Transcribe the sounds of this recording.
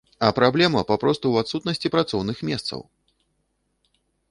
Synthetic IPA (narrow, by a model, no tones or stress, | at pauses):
ɐpɾablʲɛmɐpapɾɔst̪uwat̪sut̪nɐsʲt͡sʲipɾat̪sɔwnɨxmʲɛst̪sɐ̰w